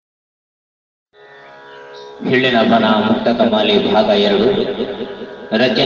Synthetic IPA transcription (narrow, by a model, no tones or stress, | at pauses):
bʱiɭːinɐpɐnɐmuk̚t̪ɐkɐmɐːlibʱaːɡɐjɐɽu | ɾɐd͡ʒjɐ